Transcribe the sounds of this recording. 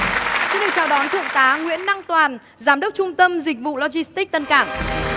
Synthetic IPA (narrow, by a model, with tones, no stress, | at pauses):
sḭ˧˥nɗɨ˨˩t͡ɕa̰ː˧˨˩wɗɔ˨˦nt̪ʰɨ̰˧˨əŋt̪aː˨˦ŋwḭ˧˥ənːa˧ŋt̪waː˨˩n | zaː˨˦mɗə˦˥wk͡p̚t͡ɕʊ˧ŋ͡mt̪ə˧mzï˨˩k̟̚vṵ˧˨lɔ˧zi˧st̪i˦˥k̚t̪ə˧nkaː˧˩m